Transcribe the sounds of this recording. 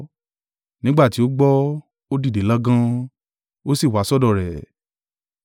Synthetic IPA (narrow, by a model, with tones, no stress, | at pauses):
nĩ˨˦ɡ͡ba˦˨ti˨˦o˦ɡ͡bɔ˦ | o˦di˦˨de˨˦la˦ɡã˦ | o˦si˦˨wa˨˦sɔ˦˨dɔ˦˨ɾɛ˨